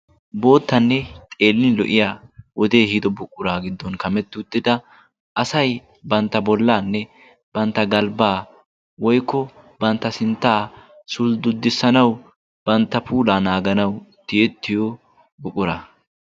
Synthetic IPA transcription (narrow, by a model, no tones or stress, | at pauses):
bo̞ːt̪ːɐnːɛt̪ʼe̞ːlːɪlɔ̰ʔɪjaːwɔd̪e̞ːhid̪ɔbʊkʼːʊɾaːɡɪd̪ːɔnkɐmɛt̪ːʊt̪ːɪd̪ɐ | ʔɐsɐj | bɐnt̪ːɐbɔlːaːnːɛ | b̥ɐnt̪ːɐɡɐlbaː | wɔjkːɔ | bɐnt̪ːɐsɪnt̪ːaː | sʊld̪ʊd̪ːɪsːɐnɐw | b̥ɐnt̪ːɐpuːlaːnaːɡɐnɐwt̪ɪɛt̪ːɪjɔ | bʊkʼːʊɾɐ